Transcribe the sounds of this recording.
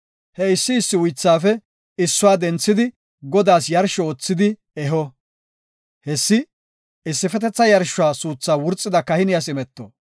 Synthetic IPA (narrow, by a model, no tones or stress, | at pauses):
hɛɪsːɪːsːɪwʊjt͡sːaːfɛ | ɪsːʊwaːd̪ɛnt͡sːɪd̪ɪ | ɡɔd̪aːsjɐɾʃɔoːt͡sːɪd̪ɪ | ɛɦɔ | hɛsːɪ | ɪsːɪfɛt̪ɛt͡sːɐjɐɾʃʊaːsuːt͡sːaːwʊɾt͡sʼːɪd̪ɐkɐhɪnɪjasɪmɛt̪ːɔ̰